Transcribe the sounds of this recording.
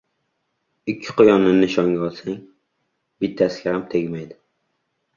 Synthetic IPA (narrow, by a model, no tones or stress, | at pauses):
ɪkʲʰːɪ̥qʰojɒnːɪnɪʃɒŋɡʲaɒlˠsaŋ | b̥ɪt̪ʰːasɪɡʲahamt̪ʰeɡʲmajd̪ɪ